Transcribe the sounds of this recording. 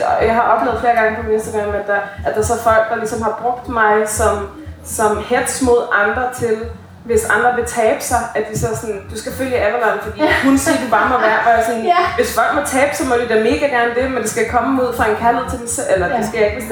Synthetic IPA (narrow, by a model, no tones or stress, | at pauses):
jɑ̈ɪɦɑ̈ʔɒ̽b̥lḛʊð̩ˠfle̝ɐɡ̥ɑ̈ŋəpʰɒminesd̥əɡ̥ɑŋmæ̥ææd̥ɑ̈sɒ̽fɒ̽l̰ɡ̥̚d̥ɑ̈lisɒ̽mhɑ̈b̥ʁɔ̽ɡ̥̚d̥mɑ̈ɪsɒ̽m | sɒ̽mhed̥smo̝ð̞̰ˠʔɑ̈nd̥ʁɐt͡sʰe̝l | ʋe̝sɑ̈nd̥ʁɐʋe̝t͡sʰɛːb̥ə̥sɑ̈ɪʔæd̥d̥isɒ̽sɒ̽nd̥usɡ̥æføljəæʋɐlɑn̩fɒ̽d̥ḭːhunsiɐd̥ub̥ɑ̈ːmɒʋæɐfɒjasɒnʋe̝sfɒ̽l̰ɡ̥mɒt͡sʰɛːb̥sɒmɒd̥id̥æme̝ːɡ̥æɡ̥æɐnəd̥e̝mend̥e̝sɡ̥æjakʰɒ̽məuð̞̰ˠfʁɑ̈e̝nkʰæɐlhe̝ð̞̰ˠt͡sʰe̝lsʔelɐd̥esɡ̥æjaeɡ̥